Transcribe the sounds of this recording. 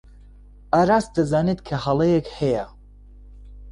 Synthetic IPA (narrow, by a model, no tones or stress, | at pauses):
aːɾaːs̚d̪ɐzaːnet̪kʰɐhɐlˠɐjekhɛja